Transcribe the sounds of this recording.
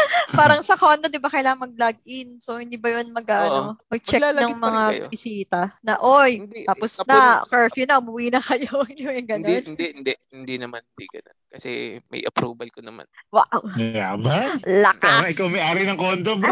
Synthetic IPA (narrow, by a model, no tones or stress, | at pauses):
paːɾɐŋsɐkond̪od̪ɪbakɐjlaːŋɐŋmɐɡ̚laɡ̚ʔɪnsohɪ̃nd̪iːbɐjonmɐɡaʔɐomɐɡ̚t͡ʃɛlalɐɐŋmɐŋao̰bɪsiːt̪ɐnɐʔojnd̪iaːposnɐkɛɹfjʊnɐʊbʊwiːnɐkɐjoɪoɐŋɡɐnd̪nɪnd̪ɛʔhɪnd̪ɛhɪnd̪inɐmanhɪnd̪ḭɡɐno̰nkɐsɛ̰mɐ̰jʔɐ̰pɾuːbɐlkonɐma̰nwa̰wɐja̰balɐkaʔɪkawmɐjʔaːɾɪnɐŋkoːnd̪ob